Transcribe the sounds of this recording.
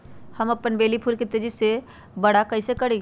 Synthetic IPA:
hɐmɐpənbeːlipʰulkɪt̪ːed͡ʒɪsːe | bɐɽakɐisekɐɽiː

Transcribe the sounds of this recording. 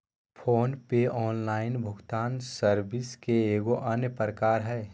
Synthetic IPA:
pʰoːnpeɔːnlaːɪnbʱʊɡt̪aːnsəɾbɪskeeːɡoʔɐnjəpɾəkaːɾɦɛː

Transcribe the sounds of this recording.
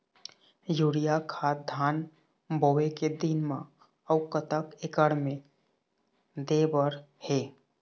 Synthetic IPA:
juːɽijakʰaːd̪ʱaːn | bʱoʋeked̪ɪnmã | əʊkət̪əkekəɽmẽ | d̪eːbəɾ | heː

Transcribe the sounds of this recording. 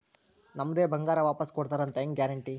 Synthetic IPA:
nɐmːɐd̪eːbʱɐŋɡaːɾɐʋaːpɐskoɽt̪aːɾɐnt̪eŋɡjaːɾɐɳʈi

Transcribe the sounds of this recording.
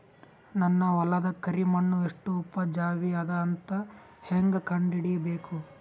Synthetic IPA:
nɐnːɐʋɐlɐd̪ɐkɐɾimɐɳːueʂʈuːpːɐd͡ʒaːʋiɐd̪ɐːnt̪ɐ | heŋɡɐkɐɳɖiɽibeːku

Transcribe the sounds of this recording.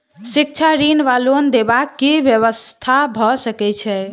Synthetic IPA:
sik̚t͡ʃʰaɾinʋalond̪ebakːibjəβəst̪ʰabʱɔsəkɛt͡ʃʰɛ

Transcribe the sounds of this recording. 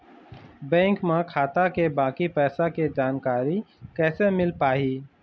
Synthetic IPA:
bɛ̃ːŋkmãkʰaːt̪akebaːkipɛːsaked͡ʒaːnkaːɾikɛːsemɪlpaːɦiː

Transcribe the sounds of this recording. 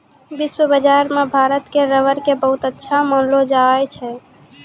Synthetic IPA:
biswəbəd͡ʒaɾmebʱaɾət̪keɾəʋəɾkebəɦut̪ətːʃʰamənlod͡ʒaɛt͡ʃʰɛ

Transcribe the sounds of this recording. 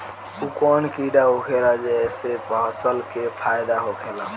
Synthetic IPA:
ukɔnkiɖaɦokʰelad͡ʒeesepãsəlkepʰajd̪aɦokʰela

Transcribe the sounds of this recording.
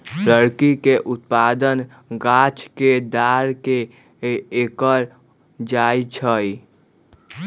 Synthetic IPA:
pɾəɾkikeʔʊt̪̚paːd̪ən | ɡaːt͡ʃked̪aːɾkeː | kəɾ | d͡ʒaːit͡ʃʰəi

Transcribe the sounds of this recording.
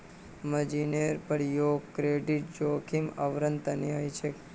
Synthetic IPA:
məd͡ʒineɾpəɾjoːɡkɾeɖiʈ̚d͡ʒoːkʰiməʋɾənt̪əniɦəjt͡ʃʰe

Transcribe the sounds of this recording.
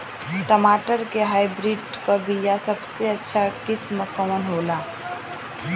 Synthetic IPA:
ʈəmaːʈəɾkeɦaːɪbɾiːɖ | kabijasɐbseɐtːʃʰakɪsməkəmənɦoːlaː

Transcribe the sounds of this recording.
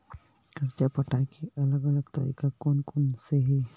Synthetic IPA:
kəɾt͡ʃapəʈãkʰiʔɐləɡələɡt̪ə̰ɾḭːkakoːnkʊnseɦɛ

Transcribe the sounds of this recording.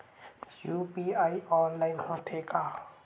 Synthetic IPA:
jupiajɔnlajnpɔtʰekʼa

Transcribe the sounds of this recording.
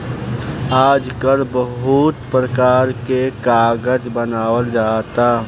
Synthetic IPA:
aːd͡ʒkəɾbəɦut̪pɾəkaːɾkekaːɡəd͡ʒbənaːwəld͡ʒaːt̪aː

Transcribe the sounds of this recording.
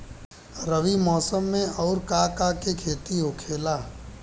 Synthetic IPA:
ɾəʋimɔːsəmːẽɔːɾkakakekʰeːt̪iɦokʰeːlaː

